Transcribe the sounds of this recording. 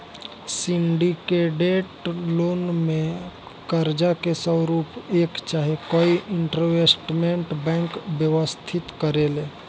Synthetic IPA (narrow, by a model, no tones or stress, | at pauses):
sɪɳɖikeɖeːʈloːnmẽ | kəɾd͡ʒakesəɾuːpeːkt͡ʃaːɦekoːiʔɪɳʈɾoʋesʈmẽɳʈbɛ̃ːŋkbjəʋəst̪ʰɪt̪kəɾeleː